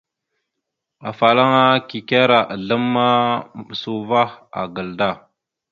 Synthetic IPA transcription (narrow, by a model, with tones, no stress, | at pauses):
a˨fa˨la˦ŋa˦ki˨ke˦ɾa˨ʔa˨ɮə˦mːa˦˨ɓsu˨va˦a̰˨ɡə˨lda˦˨